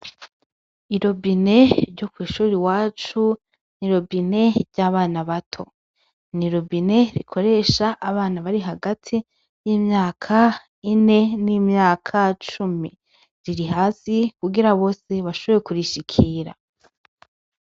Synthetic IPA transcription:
iɾo̞bine̞ɾɟo̞kwiːʃuːɾiwaːt͡ʃu | niɾo̞bine̞ɾɟaːβaːnaβatʰo̞̰ | niɾo̞bine̞ɾikʰo̞ɾe̞ʃaʔːβaːnaβaɾiɦaɡatʰi | jiːmɲaːkʰa | ine̞nimɲaːkʰat͡ʃumi | ɾiɾiɦaːsikuɡiɾaβo̞ːse̞βaʃoβoɾjekuɾiʃikʰiːɾa̰

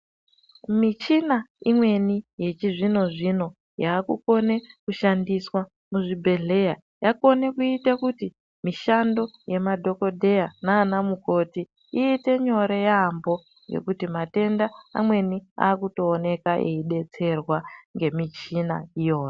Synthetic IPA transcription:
mit͡ʃinaimwe̞nije̞t͡ʃiʐino̞ʐino̞ | jaːkuko̞ne̞kuʃandiswa | muʐibʱe̞ɮe̞ja | jako̞ne̞kuitakuti | miʃando̞je̞madʱo̞ko̞dʱe̞janaːnamuko̞ti | iːte̞ɲo̞ɾejaːmbo̞ | je̞̰kutimate̞ndaa̰mwe̞nia̰ːkuto̞ːne̞kaʔḛiɗe̞t͡se̞rwaŋɡe̞mit͡ʃina̰ijo̞ːjo

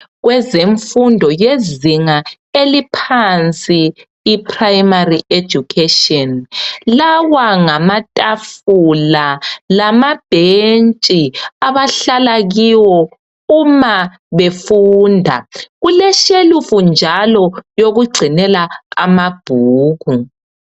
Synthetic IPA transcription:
ɣwɛzeɱfundʱɔjeziŋa | elipʰant͡sʼiː | pʰrajmariʔe̥d͡ʒ̥ʱukʰeʃiɔnlawaŋamatʼafulalamab̥ʱent͡ʃʼiaβaɬalaɣiwɔ | uma | βefuːndʱa̰ɣulɛʃelufund͡ʒʱalɔjoɣuɡ͡ǀʱinɛlaa̰mab̥ʱuːɣu

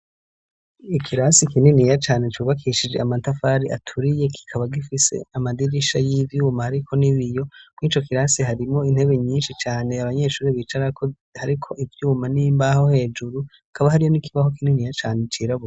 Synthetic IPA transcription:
ikʰiɾasikininijat͡ʃaːne̞t͡ʃuβakʰiʃid͡ʒe̞amantafaɾiatʰuɾije̞kʰi̥kʰaβaɡifise̞̰amadiɾiʃajivjuːmahaɾikʰo̞niβijo̞mŋiːt͡ʃo̞kiɾasiɦaɾimŋo̞in̥he̞βe̞ɲiːnʃit͡ʃaːne̞aβaɲe̞ʃuːɾiβiːt͡ʃaɾakʰo | haɾikʰoʔivjuːmanimbaho̞he̞ːd͡ʒuɾu | akʰaβahaɾijo̞nikʰiβaho̞kininijat͡ʃaːne̞t͡ʃiːɾaβuɾ

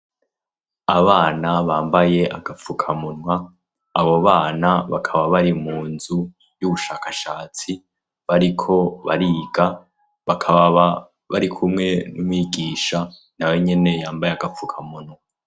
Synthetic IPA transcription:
aβaːnaβaːmbaje̞ʔaɡap͡fukʰamunwaː | βo̞βaːnaβakʰaβaβaɾimuːnzu | juβuʃaːkaʃaːt͡si | βaɾikʰo̞βaɾiːɡa | βakʰaβaβa | βaɾikʰumŋe̞numwiːɡiːʃa | naweɲe̞ne̞jaːmbajeaɡafukʰamunwa

